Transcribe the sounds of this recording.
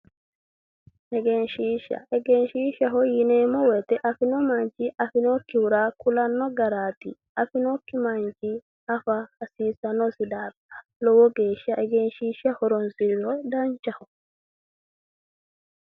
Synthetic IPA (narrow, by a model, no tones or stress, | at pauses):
ʔɛɡɛnʃiːʃɐ̰ʔɛɡɛnʃiːʃɐɦɔjɪneːmɔwɛt̪ɛʔɐfɪnɔmɐnt͡ʃiʔɐfɪnokːɪwʊɾaːkʊlɐnːɔɡɐɾaːt̪i | ɐfɪnokːɪmɐnt͡ʃi | ɐfɐhɐsiːsɐnɔsɪd̪aːɾɐ̥ | lɔwɔɡeːʃɐʔɛɡɛnʃiːʃɐhɔɾɔnsɪɾɔd̪ɐnt͡ʃɐhɔ